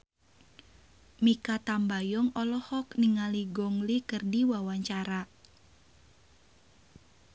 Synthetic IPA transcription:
mikat̪ambajɔŋɔlɔhɔkniŋaliɡɔŋlikɨrdiwawaɲt͡ʃaɾa

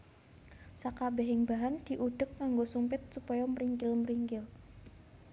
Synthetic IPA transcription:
sakabɛɦɪŋbaɦand̥i̤ʔuɖ̥ʊk̚naŋɡosumpɪt̪̚supajaməɾiŋkɪlməɾiŋkɪl

